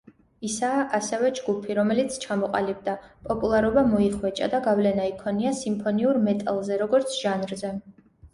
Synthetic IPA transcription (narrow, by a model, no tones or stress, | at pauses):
isaːʔasɛvɛd͡ʒɡupʰiɾɔmɛlit̪sʰt͡ʃʰamɔqʼalib̚d̪apʼɔpʼulˠaɾɔbamɔiχwɛt͡ʃʼa̰d̪aɡavlɛnaikʰɔniasimpʰɔniuɾmɛt̪ʼalˠzɛɾɔɡɔɾt̪sʰʒ̥anɾzɛ